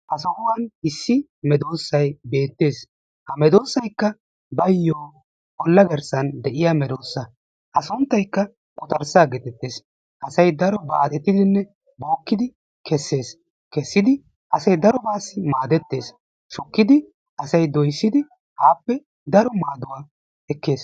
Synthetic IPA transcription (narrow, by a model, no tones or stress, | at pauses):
ʔɐsɐhʊwɐnɪsːɪ | mɛd̪o̞ːsːɐjbe̞ːt̪ːe̞ːs | hɐmɛd̪oːsːɐjkːɐ | bɐjːoː | bɔlːɐɡɐɾsɐnd̪ɛʔɪjamɛd̪o̞ːsːɐ | ʔɐsɔnt̪ːɐjkːɐ | kʼʊt̪ɐɾsaːɡɛt̪ɛt̪ːe̞ːs | ʔɐsɐjd̪ɐɾɔbɐʔɐd̪ɛt̪ːɪd̪ɪnːɛ | bo̞ːkːɪd̪ɪ | kɛsːe̞ːs | kɛsːɪd̪ɪ | ʔɐsɐjd̪ɐɾɔbaːsːɪmaːd̪ɛt̪ːe̞ːs | ʃʊkːɪd̪ɪ | ʔɐsɐjd̪ɔjsːɪd̪ɪ | haːpːɛ | d̪ɐɾɔmaːd̪ʊwaː | ɛkːe̞ːs